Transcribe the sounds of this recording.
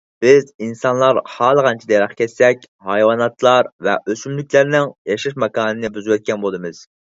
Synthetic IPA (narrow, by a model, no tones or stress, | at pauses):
b̥ɪzinsɑnlˠɑɾhɑːlˠəʁɑnt͡ʃʰid̪ɛjɾɑχkʲʰɛsːɛkʲ | hɑjwɑnɑt̪lˠɑɾvɛ̰ʔøsymlykʲlæɾnɪŋjɑʃiʃmɑkɑːnɨnɪbyzwɛt̪̚kʲɛnbolˠd̪ɨmɨz̥